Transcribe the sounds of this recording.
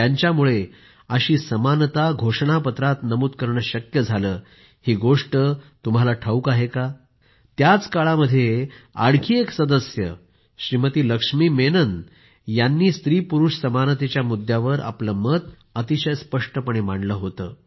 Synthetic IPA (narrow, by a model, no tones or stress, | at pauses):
jaɲt͡ɕjamuɭe | əɕiːsəmant̪aɡʱoʂɳapət̪ɾat̪nəmuːt̪̚kəɾɳəɕəkjəd͡zʱaləː | hiːɡoʂʈət̪um̤alaʈʰəukaɦeka | t̪jat͡skaɭaməd̪ʱːjea̰ɽkʰiːeksəd̪əsjə̰ | ɕɾimət̪iːləkʂmiːmenən | janːiːst̪ɾiːpuɾuʂsəmant̪et͡ɕjamud̪ʱjaʋəɾa̰pləmət̪ | ət̪iɕəjspəʂʈəpəɳemaɳɖləɦot̪əː